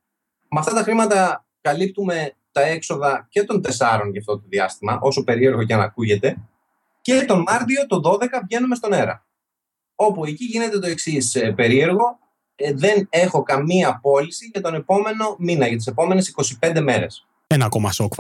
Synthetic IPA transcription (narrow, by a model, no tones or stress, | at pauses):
mɐft̪ɐt̪ɐxɾimɐt̪ɐ | kɐlip̚t̪ume̞t̪ɐe̞kso̞ðɐce̞t̪o̞nd̪e̞sɐɾo̞nʝɐft̪o̞t̪oðiɐ̰st̪imɐʔo̞so̞pe̞ɾie̞ɾɣo̞ceɐnɐ̰kuʝe̞t̪e̞ | cet̪o̞mɐɾt̪io̞t̪o̞ðo̞ðe̞kɐvʝe̞nume̞st̪o̞ne̞ɾɐ̰ | o̞poeciʝine̞t̪e̞t̪o̞e̞ksisepe̞ɾie̞ɾɣo̞ | ðe̞ne̞xo̞kɐmiɐpo̞lisiʝɐt̪o̞ne̞po̞me̞no̞minɐʝɐt̪̬ise̞po̞me̞ne̞siko̞sipe̞nd̪e̞me̞ɾe̞̰s | enɐkomɐ̰sokf